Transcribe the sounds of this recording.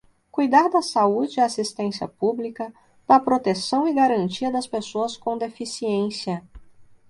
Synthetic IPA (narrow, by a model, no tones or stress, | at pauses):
kujd̪aɾd̪ɐsaud͡ʒɪasist̪ẽsiɐ̰publikɐ | d̪̥ɐpɾot̪esɐ̃w̃ɪɡaɾɐ̃nt͡ʃiɐd̪ɐspesoɐskõd̪efisiẽsiɐ